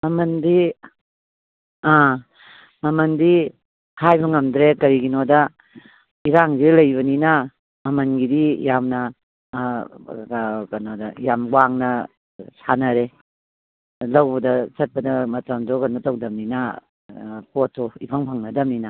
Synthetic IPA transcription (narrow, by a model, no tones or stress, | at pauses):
mɐmɐndi | a | mɐmɐndi | hʰajbɐŋɐmdɾekɐɾiɡinodɐ | iɾaŋzelɐjbɐninɐ | mɐmɐnɡidijamnɐ | kɐnodɐjamɡwaŋnɐ | sanɐɾe | lɐwbɐdɐsɐt̚pɐdɐmɐtamzɔkɐnotɐwdɐmninɐ | potʰːoipʰaŋpʰaŋnɐdɐmninɐ